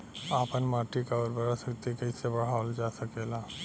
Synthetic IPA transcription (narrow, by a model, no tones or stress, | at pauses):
aːpənmaːʈikaɔːɾbəɾasəkt̪ikɐisebɐɽ̤aːold͡ʒaːsɐkelaː